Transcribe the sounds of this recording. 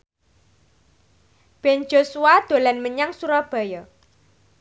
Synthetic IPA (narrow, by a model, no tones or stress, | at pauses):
b̥ɛnd͡ʒ̥osuwad̪̥o̤lanməɲaŋsuɾɔb̥a̤jɔ